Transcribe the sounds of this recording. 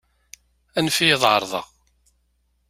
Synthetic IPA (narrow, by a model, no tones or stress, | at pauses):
ænfijeðˤʕə̰ɾˤðˤɑ̰ʁ